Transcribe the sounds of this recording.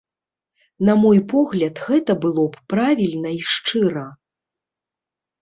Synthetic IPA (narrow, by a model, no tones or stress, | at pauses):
nɐmɔjpɔɣlʲɐt̪ɣɛt̪ɐbɨlˠɔppɾavʲilʲnɐiʂt͡ʂɨɾɐ